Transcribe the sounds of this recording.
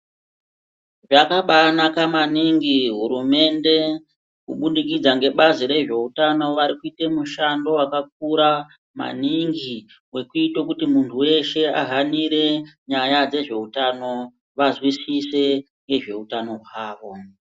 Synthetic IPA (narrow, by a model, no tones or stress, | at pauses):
ʐakaɓanakamaniŋɡiɦuɾume̞nde̞ | kṵɓundik̬id͡zaŋɡe̞ɓaziɾe̞ʐe̞utano̞ʋaɾikuitemuʃando̞wakak̚uɾa | ma̰niŋɡi | we̞kuitokutimuntʰuwe̞ʃe̞a̰ɦaniɾe̞ɲajad͡ze̞ʐe̞utano̞ | ʋazwisise̞ | ŋɡe̞ʐe̞utano̞ɦwaːʋo̞